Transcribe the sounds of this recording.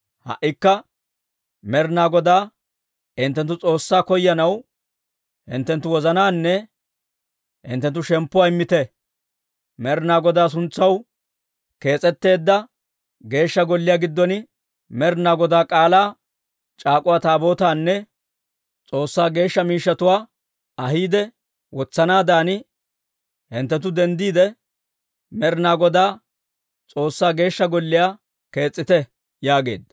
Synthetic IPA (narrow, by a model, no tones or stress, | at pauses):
hɐ̰ʔːɪkːɐ | mɛɾnaːɡɔd̪aː | ɪnt̪ːɛnt̪̬ːʊt͡sʼo̞ːsːaːkɔjːɐnɐw | ɪ̰nt̪ːɛnt̪ːʊwɔzɐnaːnːɛ | ɪ̰nt̪ːɛnt̪ːʊʃɛmpːʊwaːɪmːɪt̪ɛ | mɛɾnaːɡɔd̪aːs̬ʊnt͡sːɐw | ke̞ːt͡sʼɛt̪ːe̞ːd̪ːɐ | ɡe̞ːʃːɐɡɔlːɪjaːɡɪd̪ːɔnɪ | mɛɾnaːɡɔd̪aːkʼaːlaː | t͡ʃʼaːkʼʊwaːt̪aːbo̞ːt̪aːnːɛ | t͡sʼo̞ːsːaːɡe̞ːʃːɐmiːʃːɐt̪ʊwaː | ɐɦiːd̪ɛ | wɔt͡sːɐnaːd̪aːnɪ | hɪnt̪ːɛt̪ʊd̪ɛnd̪iːd̪ɛ | mɛɾnaːɡɔd̪aː | t͡sʼo̞ːsːaːɡe̞ːʃːɐɡɔlːɪjaː | ke̞ːt͡sʼːɪt̪ɛ | jaːɡe̞̰ːd̪ːɐ̥